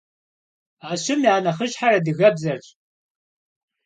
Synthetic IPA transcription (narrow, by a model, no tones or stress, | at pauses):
aːɕɪmiaːnɐχəʒħarɐdɨɣɐbzɐrɕʼ